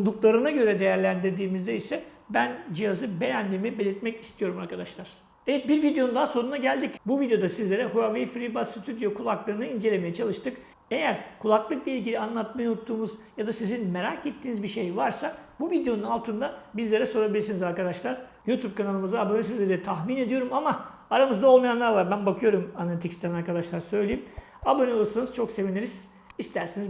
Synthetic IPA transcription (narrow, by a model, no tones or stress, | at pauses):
ud̪uklˠaɾɯnaɟø̞ɾɛd̪e̞jæɾlʲænd̪iɾd̪iːmizd̪ɛisɛ | bænd͡ʒijazɯbe̞jænd̪iːmibe̞lʲiɾt̪mɛcist̪ʰijo̞ɾumaɾkʰad̪aʃlˠaɾ̥ | evɛt̪̚biɾvid̪ejo̞nud̪aɦːso̞nunaɟælʲd̪icbuvid̪ejo̞d̪asizlʲeɾɛɦuavefɾibasit̪ʰyd̪jo̞kʰulˠaklˠɯɾɯnɯind͡ʒelʲeme̞jɛt͡ʃʰalˠɯʃt̪ʰɯk | e̞jæɾkʰulˠaklˠɯk̚b̪iilʲɟilʲianlˠat̪̚majnut̪ʰːuːmuzjad̪asizinme̞ɾaːket̪ʰːiːnizbiʃejvaɾsabuvid̪ejo̞nunalˠt̪ʰɯnd̪abizlʲe̞ɾɛso̞ɾabilʲiɾsinizaɾkad̪aʃlˠaɾ̥juːt̪ʰub̚kʰanalˠɯmɯzd̪aːbonʲis̬izlʲeɾd̪ɛt̪ʰaxmine̞d̪ijo̞ɾumama | aɾamɯzd̪ao̞lˠmajanlˠaɾlaɾbænbakʰɯjo̞ɾumanalʲit̪ʰicst̪ʰænaɾkʰad̪aʃlˠaɾsø̞jlʲejim | abonʲilˠusunɯz̥t͡ʃʰokse̞viniɾiz̥ | ist̪ʰæɾsiniz